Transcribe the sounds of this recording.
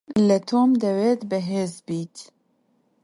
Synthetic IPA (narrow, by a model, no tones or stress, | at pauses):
lət̪ʰoːmd̪ɛweːt̪bɨɦeːzbiːt̪